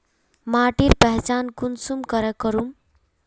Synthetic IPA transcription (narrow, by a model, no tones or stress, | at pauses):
maːʈiɾpɛɦt͡ʃankunsumkʌɾɛkəɾum